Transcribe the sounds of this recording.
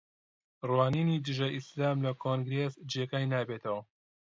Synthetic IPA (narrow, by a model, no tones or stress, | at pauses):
rwaːniːniːd̪ɨʒɐʔislaːmlɐkʰoːŋɡɾeːsd͡ʒeːkajnaːbeːt̪ɐwɐ